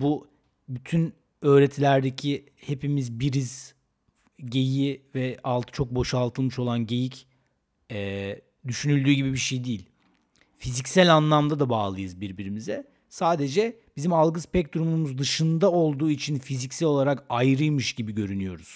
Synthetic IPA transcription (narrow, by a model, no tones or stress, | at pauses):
bu | byt̪ʰyn | ø̞ːɾe̞t̪ʰilʲæɾd̪e̞cʰi | he̞pimizbiɾiz | ɟe̞jivɛalˠt̪ʰt͡ʃʰo̞k̚bo̞ʃalˠt̪ʰɯlˠmɯʃo̞lˠanɟe̞jic | ɛ | d̪yʃynylʲd̪yːɟibibiʃejd̪iːlʲ | fizicsælʲanlˠamd̪ad̪abaːlˠɯjɯzbiɾbiɾimizɛ | saːd̪e̞d͡ʒɛ | b̥izimalˠɡɯspɛc̚d̪uɾumumuzd̪ɯʃɯnd̪ao̞lˠd̪uːit͡ʃʰinfizicsælʲo̞lˠaɾakajɾɯjmɯʃɟibiɟø̞ɾynyjo̞ɾuz̥